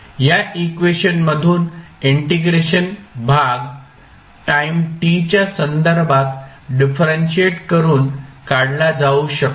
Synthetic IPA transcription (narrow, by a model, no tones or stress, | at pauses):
jaʔikʋeɕənməd̪ʱuːniɳʈiɡɾeɕənbʱaɡ | ʈaimʈit͡ɕjasənd̪əɾbʱat̪ | ɖifɾenɕieʈkəɾuːnkaɽlad͡zauɕək